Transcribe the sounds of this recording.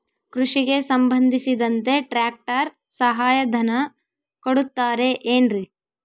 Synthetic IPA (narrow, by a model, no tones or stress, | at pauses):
kɾuʂiɡe̞sɐmbʱɐnd̪ʱisid̪ɐnt̪e̞ʈɾaːk̚ʈɐɾ | sɐɦaːjɐd̪ʱɐnɐ | koɽut̪ːaːɾe̞ʔeːnɾi